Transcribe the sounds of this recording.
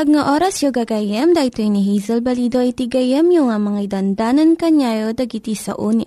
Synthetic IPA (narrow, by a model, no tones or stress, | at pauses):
pɐɡŋaʔoːɾɐsjoɡɐɡɐjɛmd̪ɐʔɪt̪oiniɦizɛlbɐlid̪oʔit̪iɡɐjɛmjʊŋɐmɐŋaid̪ɐnd̪aːnɐnkɐɲajod̪ɐɡit̪isɐ̰ʔuːniʔ